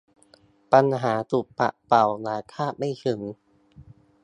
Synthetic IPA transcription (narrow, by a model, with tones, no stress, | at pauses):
pa˧nɦaː˩˦t̪u˨˩k̚pa̰˨˩ʔpa˨˩wnaː˨˦kʰaː˥˩p̚ma˥˩jkʰɯ˨˩˦ŋ